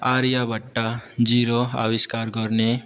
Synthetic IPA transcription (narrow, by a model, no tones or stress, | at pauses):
aːɾjabəʈːad͡ʒiːɾoa̰ʋɪʃkaɾɡʱɔɾne